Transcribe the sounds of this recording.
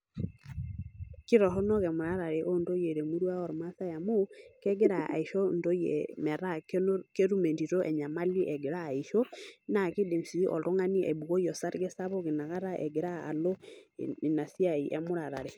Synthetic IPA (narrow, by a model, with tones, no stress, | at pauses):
ki˦ɾɔ˨ɦɔ˦nɔ˦kɛ˨mu˨ɾa˦ɾa˨ɾɛ˨ʔo˦ndo˦je˨ɾe˨mu˦ɾwa˦ɔ˨ɾɔ˨ma˦sa˦ja˨mo˦kɛ˦ɡe˦ɾa˨a̰˨i˨ʃɔ˦ndo˦jɛ̰˨mɛ˨ɾa˦kke˦ɾu˦me˨nti˨ɾo˦ʔɛ˨ɲa˨ma˦li˦ʔɛ˨ɡe˨ɾaː˦˨i˨ʃɔ˦na˨ki˦de˨msi˨ʔɔ̰˨ɾɔ˦ŋa˦ni˦ʔɛ̰˨bu˨ɣo˦jɔ˨sa˦ɾɡɛ˦sa˦βɔ˦ki˨na˨ɣa˦ɾa˦ʔɛ̰˨ɡe˨ɾa̰ː˦˨lɔ̰˦i˨na˨si˦a˨i˨ʔɛ̰˨mu˦ɾa˨ɾa˨ɾɛ˨